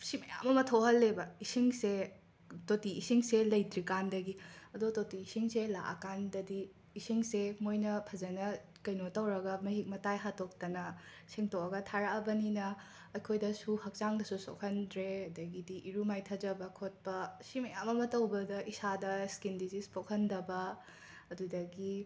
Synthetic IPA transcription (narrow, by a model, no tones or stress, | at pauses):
simɐja̰mɐmɐtʰowɦɐlːebɐisiŋse | totiːsiŋselɐjdɾikandɐɡiɐdototiːsiŋsela̰ʔɐ̰kandɐdiː | siŋsemojnɐpʰɐzɐnɐ | kɐjnotɐwɾɐɡɐmɐɦik̚mɐtajɦatok̚tɐnɐ | siŋtoɐɡɐtʰaɾaʔɐbɐninɐ | ɐjkʰojdɐsuhɐk̚t͡ʃaŋdɐsuso̰kʰɐndɾeɐdɐɡidiʔiɾumajtʰɐd͡ʒɐbɐkʰot̚pɐsimɐjamːɐmɐtɐwbɐdɐʔisadɐskindizispokʰɐndɐbɐ | ɐdudɐɡi